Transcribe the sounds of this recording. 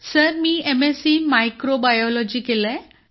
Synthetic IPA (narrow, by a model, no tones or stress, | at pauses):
səɾmiːemesimajkɾobajɔlɔd͡ʑikelɛ̃